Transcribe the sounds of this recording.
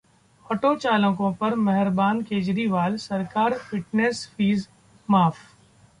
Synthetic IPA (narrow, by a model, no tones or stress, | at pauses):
ɔːʈoːt͡ʃaːlə̃kõpɐɾmɛɦɪɾbaːnkeːd͡ʒɾiʋaːlsɐɾkaːɾfɪʈnesfiːz | maːfʰ